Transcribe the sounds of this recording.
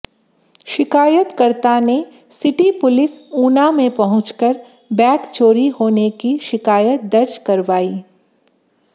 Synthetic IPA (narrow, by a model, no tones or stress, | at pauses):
ʃɪkaːjət̪kɐɾt̪ane | sɪʈipʊlɪsuːnamẽpɐɦʊ̃t͡ʃkəɾ | bɛːkt͡ʃoːɾihoːnekiʃɪkaːjət̪̚d̪ɐɾd͡ʒkɐɾʋaːiː